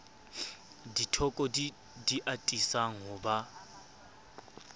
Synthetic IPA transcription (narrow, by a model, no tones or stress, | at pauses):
ditʰɔkʼɔd | diʔatʼisaŋʊba